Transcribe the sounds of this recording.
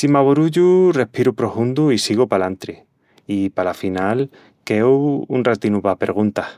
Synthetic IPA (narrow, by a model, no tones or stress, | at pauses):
simaβoɾuʎure̞hpiɾupɾo̞fund̪uisiɣ̞opalant̪ɾi | ipalafinal | keuunrat̪inupape̞ɾɣ̞unt̪ah